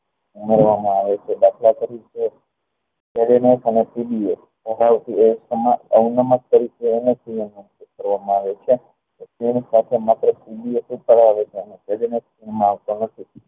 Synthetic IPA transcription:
umeɾʋamãaʋet͡ʃʰebakʰlak̪əɾit͡ʃʰe | peɽenekənepibies | pəɽaʋt̪iesəmaəunəmak̚t̪əɾikeːnesijənːumkut̪̚kəɾʋamãaʋet͡ʃʰe | oskinsat̪ʰemat̪ɾəpibiesũp̪əɽaʋet͡ʃʰeənepeɽinekskinmãaʋt̪onət̪ʰi

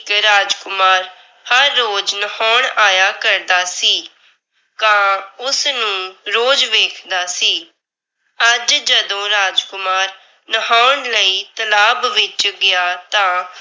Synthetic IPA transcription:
kɾaːd͡ʒkʊmaːɾ | həɾːoːd͡ʒnəhaːɳaːjaːkəɾd̪aːsiː | kãːʊsnũːɾoːd͡ʒʋeːkʰd̪aːsiː | əd͡ʒd͡ʒəd̪õːɾaːd͡ʒkʊmaːɾ | nəɦaːɳləiːt̪əlaːbʋɪt͡ʃɡɪjaːt̪ãː

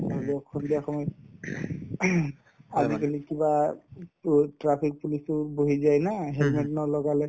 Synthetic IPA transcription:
alɔkʰːɔndiaxɔmɔj | azikʰanikiba | tɹapʰik̚pulisʊboɦizajnaɦɛlmɛtnɔlɔɡalɛ

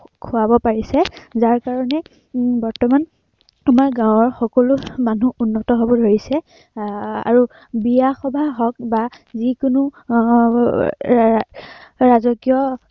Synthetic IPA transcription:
kʰʊabɔpaɹisɛzaɹkaɹɔnɛ | bɔɹtɔman | amaɹɡãwɔɹxɔkɔlʊmanuunːɔtɔɦobɔdʱoɹisɛ | a̰ɹu | bijaxɔbʱaɦɔk̚ba | zikʊnu | ɹazɔkijɔ

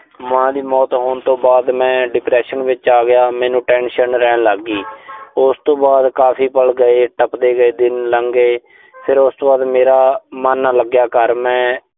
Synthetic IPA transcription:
mãːd̪iːmɔːt̪ɦoːɳt̪õːbaːd̪mɛ̃ːɖɪpɾɛːʃənʋɪt͡ʃaːɡɪjaːmɛ̃ːnũːʈɛ̃ːnʃənɾɛːnləɡːiːʊst̪õːbaːd̪kaːpʰiːpəlɡəeːʈəpd̪eːɡəeːd̪ɪnləŋɡeː | pʰɪɾʊst̪oːbaːd̪meːɾaːmənːaːləɡjaːkəɾmɛ̃ː

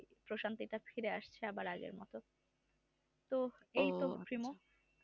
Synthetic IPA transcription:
pɾoʃant̪iʈafʰiɾeaʃt͡ɕʰeɛbaɾaɡḛɾmɔ̰t̪o | t̪oejt̪opɾimo

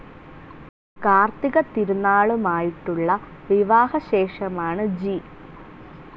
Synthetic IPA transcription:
kaːrt̪iɣɐt̪iɾunːaːɭumaːjiʈːuɭːɐ | ʋiʋaːhɐɕe̞ːʂɐmaːɳɨd͡ʑi

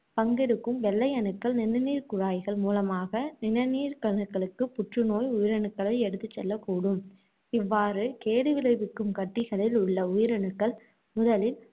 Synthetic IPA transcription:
pɐŋɡɛɽɯkːɯmʋɛlːɐjɐnɯkːɐɭnɪnɐniːɾkʊɻaːjɣɐɭmuːlɐmaːɣɐnɪnɐniːɾkɐnɯkːɐɭɯkːɯpʊʈrɯnoːjʊjɪɾɐnɯkːɐɭɐɪɛɽɯt̪ːɯt͡ʃːɛlːɐkːuːɽɯm | ɪʋːaːrɯkeːɽɯʋɪlɐɪʋɪkːɯmkɐʈːɪɣɐɭɪlʊɭːɐʊjɪɾɐnɯkːɐɭ | mʊðɐlɪl

